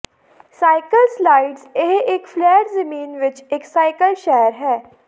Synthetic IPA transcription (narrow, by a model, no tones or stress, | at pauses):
saːɪkəlslaːɪɖzɪɦɪkflɛːʈzɐmiːnʋɪt͡ʃɪksaːɪkəlʃɛːəɾɦɛː